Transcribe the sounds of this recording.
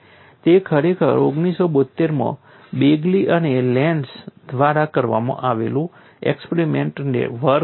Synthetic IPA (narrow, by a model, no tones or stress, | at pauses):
t̪ekʰəɾekʰə̰ɾoɡnisobət̪ːeɾmã̰ | beɡliʔənelɛɳɖsd̪ʋaɾakəɾʋa̰mã̰ʔaʋelũ | ɛ̰kspeɾimẽɳʈnḛʋəɾ